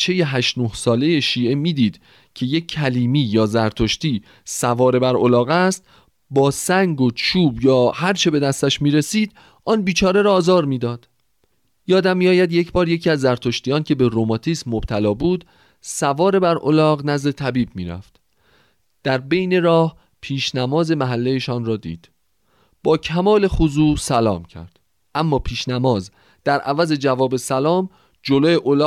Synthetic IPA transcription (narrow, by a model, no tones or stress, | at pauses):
t͡ʃʰe̞jeɦæʃnohsɒːle̞je̞ʃiːʔe̞miːd̪iːd̪̥ | cʰe̞je̞cʰːæliːmiːjɒːzæɾt̪ʰo̞ʃt̪iː | sævɒːɾe̞bæɾolɒːɣæst̪ | bɒːsæŋɡot͡ʃʰuːbjɒːhæɾt͡ʃʰe̞be̞d̪æst̪æʃmiːɾe̞siːd̪̥ | ʔɒːnbiːt͡ʃʰɒːɾe̞ɾɒːzɒːɾmiːd̪ɒːd̪̥ | jɒːd̪æmːiɒːjæd̪je̞cʰbɒːɾje̞cʰiːæzːæɾt̪ʰo̞ʃt̪ijɒːncʰe̞be̞ɾomɒːt̪ʰiːsmːob̥̚t̪ʰælɒːbuːd̪ | sævɒːɾe̞bæɾʔo̰lɒːɣnæzd̪e̞t̪ʰæbiːbmḭːɾæ̰ft̪ | d̪̥æɾbe̞jne̞ɾɒːh | pʰiːʃnæmɒːze̞mæɦælːejeʃɒːnrɒːd̪ḭːd̪̥ | b̥ɒːcʰæmɒːle̞xuzuːsælɒ̰ːmcʰæ̰ɾd̪̥ | ʔæmːɒːpʰiːʃnæmɒːz | d̪̥æɾʔævæze̞d͡ʒævɒːbe̞sælɒːm | d͡ʒoloːjeʔolː